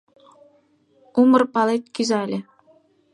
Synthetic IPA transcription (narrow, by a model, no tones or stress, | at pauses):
umɤ̆rpɑlet̪̚ʲkʲyzɑlʲĕ